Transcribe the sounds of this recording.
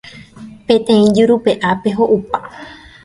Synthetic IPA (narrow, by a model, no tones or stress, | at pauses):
pẽ̞t̪ẽ̞ĩd͡ʒuɾupe̞ʔapeɦoʔupa